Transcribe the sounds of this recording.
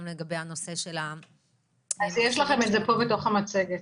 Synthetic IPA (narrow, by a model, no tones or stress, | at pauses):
mleɡabejano̞seʃela | azjeʃlaχe̞mezepo̞veto̞χamat͡se̞ɡet